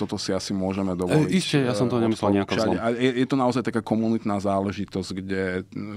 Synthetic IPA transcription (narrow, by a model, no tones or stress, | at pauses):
t̪ɔt̪ɔsiasimʊɔʒɛmɛd̪ɔʋliscɛjasɔmt̪ɔɲɛmislɛlɲɛakt͡ʃaɲajɛjɛt̪ɔnaɔzajt̪akaːkɔmunit̪naːzaːlɛʒit̪ɔzɟɡɟɛ